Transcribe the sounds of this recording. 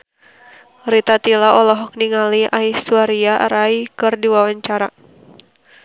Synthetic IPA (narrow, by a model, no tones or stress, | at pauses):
ɾit̪at̪ilaʔɔlɔɦɔk̚niŋaliʔaisuaɾiaɾaikɨrdiwawaɲt͡ʃaɾa